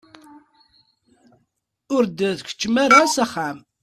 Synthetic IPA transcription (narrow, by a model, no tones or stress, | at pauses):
ʊɾd̪əðkʷə̥t͡ʃːmaɾasæχːæm